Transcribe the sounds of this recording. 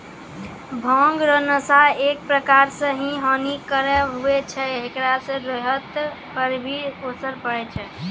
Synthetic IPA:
bʱɔ̃ŋɡɾənəsaek̚pɾəkaɾsə̃ɦĩɦənikəɾɛɦuɛt͡ʃʰɛekɾasə̃ɾeɦət̪ | kəɾbʱiosəɾpəɾɛt͡ʃʰɛ

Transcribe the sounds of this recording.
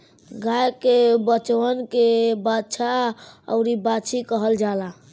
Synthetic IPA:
ɡaekebət͡ʃwənkebatːt͡ʃʰaə̰ʊɾibat͡ʃʰikəɦəld͡ʒala

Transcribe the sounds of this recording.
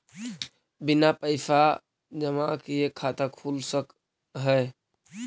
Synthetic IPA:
binapəɪsa | d͡ʒəmakeekʰat̪əkʰulsək | ɦəj

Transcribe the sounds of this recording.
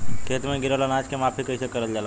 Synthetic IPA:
kʰet̪mẽɡiɾʋalanad͡ʒkemapʰikəjsekəɾəld͡ʒala

